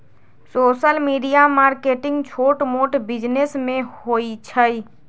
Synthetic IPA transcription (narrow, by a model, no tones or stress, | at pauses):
soːʃəlmiːɖijamaːɾkeːʈɪ̃ŋɡt͡ʃʰoːʈmoːʈbɪd͡ʒnesmẽhoːit͡ʃʰəi